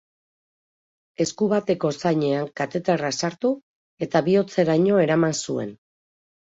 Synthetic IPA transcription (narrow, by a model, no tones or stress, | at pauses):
e̞skuβat̪e̞ko̞sajɲe̞aŋkat̪e̞t̪erasaɾt̪u | e̞t̪aβio̞t͡se̞ɾaɲo̞e̞ɾamansue̞̰n